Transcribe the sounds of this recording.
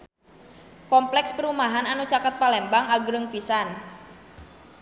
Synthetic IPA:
kɔmplɛkspəɾumaɦananut͡ʃakət̪̚palɛmbaŋaɡɾəŋfisan

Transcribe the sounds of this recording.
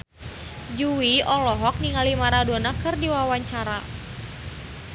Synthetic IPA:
d͡ʒuwiɔlɔɦɔk̚niŋalimaɾaduanakɨrdiwawaɲt͡ʃaɾa

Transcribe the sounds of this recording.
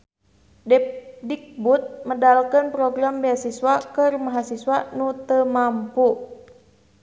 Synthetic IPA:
dɛdik̚but̪̚mədalkənpɾoɡɾambiasiswakərmaɦasiswanut̪əmampu

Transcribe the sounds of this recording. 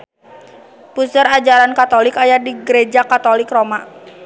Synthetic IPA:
pusəɾad͡ʒaɾankat̪ɔlɪkajadiɡəɾed͡ʒakat̪olɪkroma

